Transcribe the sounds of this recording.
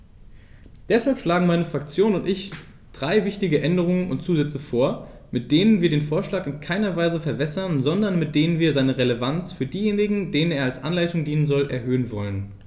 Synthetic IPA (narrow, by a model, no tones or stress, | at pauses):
d̥ɛshalpʃlaːɡŋ̩maɪnəfʁ̥akt͡sjoːnʊntʔɪç | d̥ʁaɪvɪçtɪɡəʔɛndəʁ̞ʊŋənʊ̰nt̚t͡suːzɛt͡səfoːɐ | mɪt̚d̥eːnənviːɐɾeːnfoːɐʃlaːkɪnkʰaɪnɐvaɪzəfɛɐvɛsɐnzɔndɐnmɪt̚d̥eːnənviːɐzaɪnəʁeləvant͡sfyːɐdiːjeːnɪɡŋ̩deːnəneːɐalsʔanlaɪtʊŋdiːnənzɔlʔɛɐɦøːənvɔlən